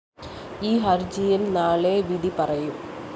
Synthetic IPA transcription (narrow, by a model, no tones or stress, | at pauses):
iːɦɐɾd͡ʑijinnaːɭeʋid̪ipɐrɐjum